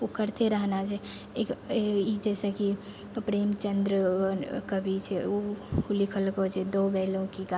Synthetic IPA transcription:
okəɾt̪eɾəɦnat͡ʃʰɛ | ekid͡ʒɛːseki | pɾeːmt͡ʃənd̪ɾəkəbʱit͡ʃʰɛoulikʰəlkot͡ʃʰɛd̪oːbɛːlõkiɡa

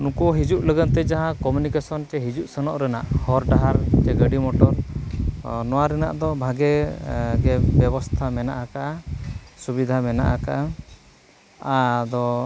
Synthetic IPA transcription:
nũkɔɦid͡ʒuʔləɡət̪ɛd͡ʒaɦãkɔmjunikasɔnʈɛɦid͡ʒuʔsənɔʔɾɛna̰ʔhɔɾɖaɦaɾʈɛɡəɖimɔʈɔɾ | nɔwaɾɛna̰ʔd̪ɔbʱaɡɛɡɛbɛbɔst̪ʰamɛnaʔakaʔasubid̪ʱamɛna̰ʔaka̰ʔa | ad̪ɔ

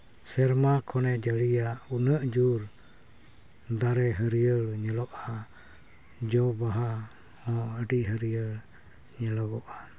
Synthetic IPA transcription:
sɛɾmakʰɔnɛd͡ʒəlijaunəʔd͡ʒuɾ | d̪aɾɛɦəɾiəlɲəlɔʔa | d͡ʒɔbaɦa | hɔ̃əɖiɦəɾiəl | ɲəlɔbɔʔa

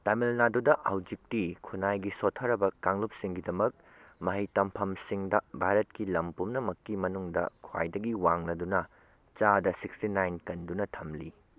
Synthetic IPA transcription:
tamilnadudɐʔɐwd͡ʒik̚tikʰunajɡisotʰːɐɾɐbɐkaŋlup̚siŋɡidɐmɐk̚ | mɐɦijtɐmpʰɐmsiŋdɐbʱaɾɐtkilɐmpumnɐmɐkːimɐnuŋdɐ̰kʰwa̰jdɐɡiwaŋlɐdunɐ | t͡ʃadɐsikstinajnkɐndunɐtʰɐmli

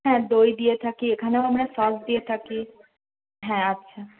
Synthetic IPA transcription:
ɦɛ̃d̪ojd̪ijet̪ʰakiekʰaneoamɽesɔsd̪iet̪ʰaki | ɦɛ̃atːɕʰa

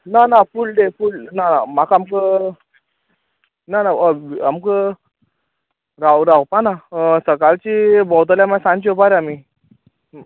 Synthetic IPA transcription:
nanafuld̪efulnanamakamkə | nanaamkə | ɾawɾawpanasəkalt͡ɕibɔwt̪̬əljamasãnt͡ɕiopaɾami

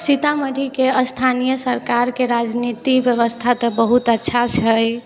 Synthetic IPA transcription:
sit̪aməɾikeəst̪ʰanijəsəɾkaɾkeɾad͡ʒnit̪ibjəβəst̪ʰat̪əbəɦut̪ətːʃʰat͡ʃʰəj

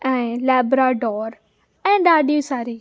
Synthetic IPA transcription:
ɛ̃ːlɛːbɾaːɖɔːɾ | ɛ̃ːɖaːɖijusaːɾiː

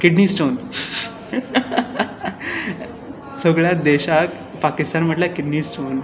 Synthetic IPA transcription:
kiɖniːsʈon | səɡɭjad̪eɕak | pakist̪anm̤əʈlakiɽniːsʈon

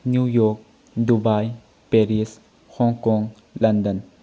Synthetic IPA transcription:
njujɔk̚ | dubaj | peɾis | hɔŋkɔŋ | lɐndən

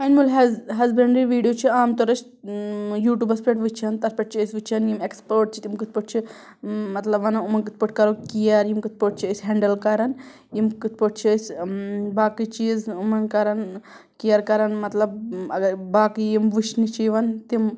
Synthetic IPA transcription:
ɐnmulɦɐɦɐzbeɳɖiʋiːɖijoːt͡ʃʰiaːmt̪ɔɾɐt͡ʃʰ | juːʈuːbɐspɾeʈʋɨt͡ʃʰɐnt̪ɐɾpeʈ̚t͡ʃʰiəsʋɨt͡ʃʰɐnjimekspoːʈ̚t͡ʃʰi̥t̪imkɨt̪̚ʰpəʈ̚t͡ʃʰi | mɐt̪lɐbʋɐnɐumɐnkɨt̪̚pəʈ̚kɐɾokijɐɾjimkɨt̪̚ʰpoʈ̚t͡ʃʰiəsʲɦeɳɖɐlkɐɾɐn | jimkɨt̪̚ʰpoʈ̚t͡ʃʰisʲbaːkit͡ʃizumɐnkɐɾɐn | kijɐɾkɐɾɐnmɐt̪lɐbɐɡɐbaːkijimʋɨʃnit͡ʃiʋɐnt̪im

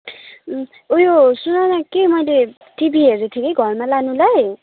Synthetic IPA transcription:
ujosunanakemʌjle | ʈibʱiɦeɾet̪ʰikeɡʱʌrmalanulaj

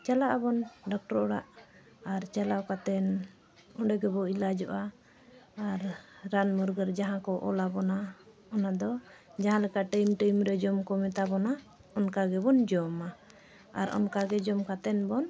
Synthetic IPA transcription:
t͡ʃalaʔabɔnɖɔk̚ʈɔɾɔɽaʔ | aɾt͡ʃalakat̪ɛn | ɔɖɛɡɛbɔilad͡ʒɔʔaː | ɾːanmɔɾɡəɾd͡ʒaɦãkɔʔɔ̰labɔna | ɔnad̪ɔd͡ʒaɦãlɛkaʔʈəjmʈəmɾɛd͡ʒɔmkɔmɛt̪abɔna | ɔnkaɡɛbɔnd͡ʒɔma | a̰ɾɔ̰nkaɡɛd͡ʒɔmkat̪ɛnbɔn

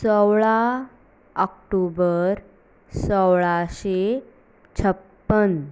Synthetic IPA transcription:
səwɭa | əkʈubəɾ | səwɭaɕe | t͡ɕʰəpːən

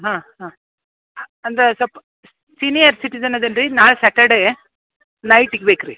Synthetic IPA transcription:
ɦãːɦãː | ɐnd̪ɾesɐp | sinijɐɾsiʈid͡ʒɐnɐd̪ɐlɾinaːɭsɐʈɐɖe | nɐjʈiɡbeːkɾḭ

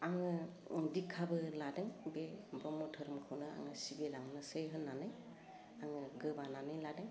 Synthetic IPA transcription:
aŋɯ | dikʰːabɯladɯŋbebɔmɔtʰɯɾɯmkʰawnɯa̰ŋɯsibelaŋnɯsɯjɦɯnːanɯj | aŋɯɡɯbananɯjladɯŋ

